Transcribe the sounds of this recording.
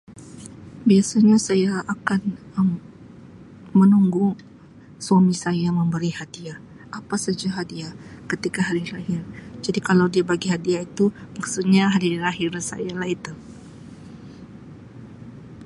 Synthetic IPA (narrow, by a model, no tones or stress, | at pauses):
biasaɲasajaʔːkanə | mənuŋɡu | swamisajaməmbəɾihadia | ʔapasəd͡ʒaɦadiakət̪ikaɦadiɾahɪrd͡ʒadikalawdiabaɡiɦadiait̪umaksut̪̚ɲaɦadiɾaɦirsa̰jalahit̪u